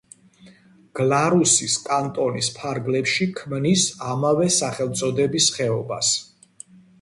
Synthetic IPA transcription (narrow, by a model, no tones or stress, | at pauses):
ɡ̥lˠaɾusiskʼant̪ʼɔnispʰaɾɡlɛpʃikʰmnisamavɛsaχɛlˠt̪sʼɔd̪ɛbisχɛɔbas